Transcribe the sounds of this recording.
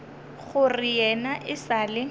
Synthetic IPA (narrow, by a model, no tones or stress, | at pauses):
ɣʊrɪjɛnaʔɪsaːlɪ